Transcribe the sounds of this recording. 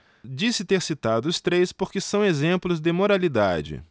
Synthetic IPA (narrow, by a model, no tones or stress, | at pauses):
d͡ʒisɪt̪eɾsit̪ad̪ʊʊst̪ɾejspoɾkɪsɐ̃w̃ezẽmplʊzd̪ɪmoɾalid̪a̰d͡ʒɪ̰